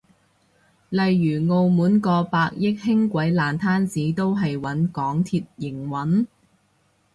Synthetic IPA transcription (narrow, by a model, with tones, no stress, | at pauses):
lɐ˨jːyː˨˩ŋo˨˧wmuː˨˥nkɔː˧paː˧k̚jɪ˥k̚hɪ˥ŋkʷɐ˨˥jlaː˨nt̪ʰaː˥nt͡siː˨˥t̪o˥wɦɐ˨jwɐ˨˥nkɔː˨˥ŋt̪ʰiː˧t̚jɪ˨˩ŋwɐ˨˥n